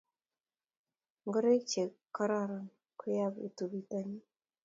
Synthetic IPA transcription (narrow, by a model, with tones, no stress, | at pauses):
ŋɡə˦ɾe˦k̚t͡ʃe˨kːə˦ɾa˦˨ɾa˨ŋ | kʊ˦ja˦bḭ˨tu˨bi˦ta˦ɲi˦